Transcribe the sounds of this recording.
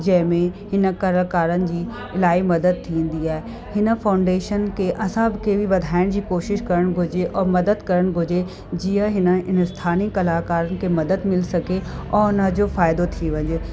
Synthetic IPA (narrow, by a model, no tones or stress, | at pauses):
d͡ʑɐ̃ɦɪ̃mẽhɪnə̆kɐɾəlkaːɾənɪ̆d͡ʑiː | ɪlaːimɐd̪əd̪̚t̪ʰĩːn̆d̪iaːɦe | hɪnə̆faːʊ̃ɳɖeːʃənkʰeʔɐsãbɪkʰeːbiʋɐd̪ʱaːɪɽ̃d͡ʑiːkoːʃɪʃkɐɾəɽ̃ɡʱʊd͡ʑeʔɔːmɐd̪əd̪kɐɾəɽ̃ɡʱʊd͡ʑe | d͡ʑiːə̃ɦɪnə̆ɪnəst̪ʰaːnikɐlaːkaːɾənɪ̆kʰemɐd̪əd̪mɪlsɐɡʱeɔːʊnəd͡ʑofaːɪd̪ot̪ʰiʋɐ̃ɲd͡ʑeː